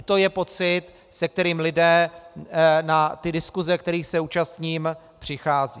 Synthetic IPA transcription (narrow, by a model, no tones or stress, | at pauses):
t̪o̞jɛpo̞t͡sɪt̪ | sɛk̚t̪ɛɾiːmlɪdɛː | nat̪ɪdɪskuzɛk̚t̪ɛɾiːxsɛuːt͡ʃast̪ɲiːm | pr̥ɪxaːziː